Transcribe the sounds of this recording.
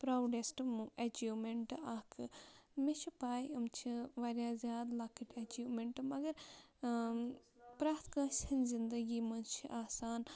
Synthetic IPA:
pɾaːwɖesʈmuʔɐd͡ʒimeɳʈɨaːkʰɨmit͡ʃʰipaːjɐmt͡ʃʰiʋaɾʲjãːzʲjaːd̪laːkɐʈɐd͡ʒiːmeɳʈɨmɐɡɐɾ | pɾaːt̪ʰkãːʃɐnzind̪ɐɡiːmɐnt͡ʃʰiʔaːsaːn

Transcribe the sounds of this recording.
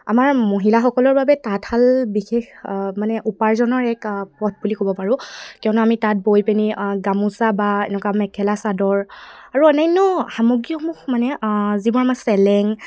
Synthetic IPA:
amaɹmoɦilaxɔkɔlɔɹbabɛtatʰalbixexmanɛʔupaɹzɔnɔɹɛkpɔt̚ʰbulikobɔpaɹʊ̃kiɔnɔamitat̚bojpeniɡamusabaɛ̰nɛkwamɛkʰɛlasadɔɹaɹuɔnajnɔxamoɡijɔmuxmanɛzibɔɹamasɛlɛŋ

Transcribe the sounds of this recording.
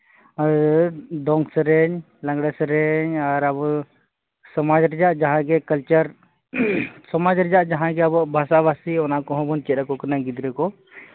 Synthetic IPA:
a | d̪ɔŋɡsɾɛɲ | lãŋɡɽɛsɾɛɲaɾabɔ | sɔmad͡ʒɾɛd͡ʒaʔd͡ʒaɦãɡɛkəlt͡ʃəɾ | sɔmad͡ʒɾɛd͡ʒaʔd͡ʒaɦãɡɛabɔbʱasabasiɔnaʔkɔɦɔ̃bɔnt͡ʃɛɾakɔkənaɡid̪ɾɛkɔ

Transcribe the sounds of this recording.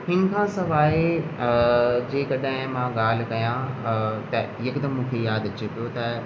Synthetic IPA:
hɪnɪ̆kʰãsɐʋaːe | d͡ʑeːkɐɗɦɪ̃mãɡaːl̤kɐjãt̪ɐjɐkd̪əmːũːkʰejaːd̪ɐt͡ɕepijot̪ɐ

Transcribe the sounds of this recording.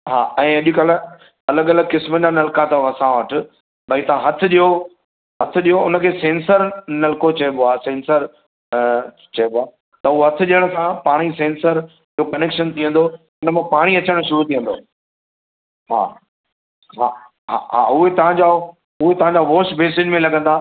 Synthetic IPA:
ɦa̰ːɛ̃ːɐʄikaːle | ɐləɠɐləɡkɪsməd͡ʑanɐlkat̪ɐɐsãʋɐʈʰɪ | bɐit̪ɐʋ̤ãɦɐt̪ʰɪ̆ɗijo | ɦɐt̪ʰɪ̆ɗijoʊnə̆kʰeːsẽːnsəɾnɐlkot͡ɕɐĩboaːsẽːnsəɾ | t͡ɕɐɦɪbaː | t̪ɐʊoɦɐt̪ʰɪ̆ɗijəɽ̃sãpaːɽ̃isẽːnsəɾ | ɪokɐneːkʃənt̪ʰiə̃nd̪o | ɪʊnə̆mẽpaːɽ̃iɐt͡ɕəɽ̃ʃʊɾut̪ʰiə̃nd̪o̰ː | ɦa̰ː | ɦaː | ɦa̰ɦa̰ʊɦet̪ɐʋ̤ãɲd͡ʑaː | ʊɦet̪ɐʋ̤ãɲd͡ʑaʋoːsbeːsɪd͡ʑmẽlɐɠʱə̃nd̪aː

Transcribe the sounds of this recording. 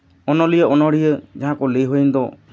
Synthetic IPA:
ɔnɔlijəɔnɔɽ̤ijəd͡ʒaɦãkɔleɦojind̪ɔ

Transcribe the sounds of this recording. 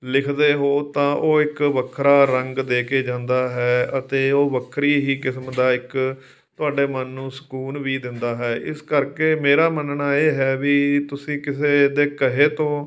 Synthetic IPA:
lɪkʰd̪eːɦoːt̪ãːʔoːɪkʋəkʰːɾaːɾəŋɡd̪eːkeːd͡ʒãːnd̪aːɦɛːət̪eːoːʋəkʰɾiːɦiːkɪsmd̪aːɪk | t̪ʊaːɖeːmənːũːsə̥kuːnʋiːd̪ɪnd̪aːɦɛːʔɪ̰skəɾkeːmeːɾaːmənɳaːeːɦɛːʋiːt̪ʊsĩːkɪseːd̪eːkəɦeːt̪õː

